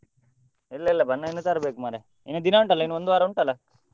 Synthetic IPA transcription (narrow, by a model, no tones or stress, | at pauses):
ilːɐilːɐbɐnːɐinːut̪aːɾɐbeːkumɐːɾe | ḭnːud̪inaːuɳʈɐlːɐinːuond̪uʋaːɾɐuɳʈɐlːɐ